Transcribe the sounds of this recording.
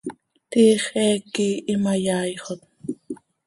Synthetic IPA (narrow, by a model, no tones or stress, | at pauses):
t̪iːχɛːkiːʔimajaːjχot̪̚